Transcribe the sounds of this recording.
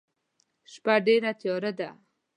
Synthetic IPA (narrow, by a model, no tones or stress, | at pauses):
ʃpaɖeɾat̪jɔɾad̪a